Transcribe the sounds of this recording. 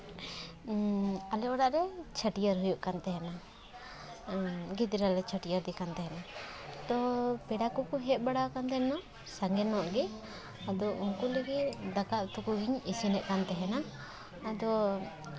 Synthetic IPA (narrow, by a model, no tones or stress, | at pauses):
alɛɔɽaʔɾɛt͡ʃʰaʈijaɾɦujuʔkant̪ɛɦɛna | ɡit̪̚ɾalɛt͡ʃʰəʈijaɾd̪ikant̪ɛɦɛnat̪ɔpɛɽakɔkɔɦɛt̪̚baɽawkant̪ɛnɔ | saŋɡɛnɔʔɡɛ | ad̪ɔʔuŋkuləɡit̪d̪akaʔt̪ukuɡiɲɛsɛnɛʔkant̪ɛɦɛna | ad̪ɔ